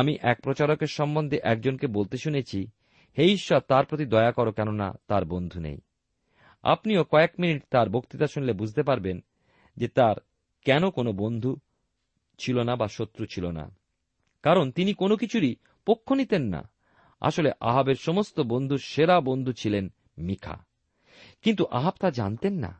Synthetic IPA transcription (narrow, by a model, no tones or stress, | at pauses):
amiʔɛk̚pɾot͡ɕaɾokeɾʃɔmbond̪ʱeʔɛk̚d͡ʑonkebolt̪eʃunet͡ɕʰi | heiʃːɔt̪aɾpɾot̪̬id̪ɔeakɔɾokɛnona̰t̪aɾbond̪ʱunḛj | a̰pniokɔekminiʈt̪aɾbokt̪it̪aʃunilebud͡ʑʱt̪epaɾben | d͡ʑet̪aɾ | kɛnokonobond̪ʱu | t͡ɕʰilonabaʃot̪ːɾut͡ɕʰilona̰ | kaɾont̪inikonok̬it͡ɕʰuɾi | pokʰːonit̪enːa̰ | a̰ʃoleʔa̰ɦabeɾʃɔmost̪obond̪ʱuɾʃeɾabond̪ʱut͡ɕʰilen | mikʰa̰ | kint̪uʔaɦabt̪ad͡ʑant̪enːa̰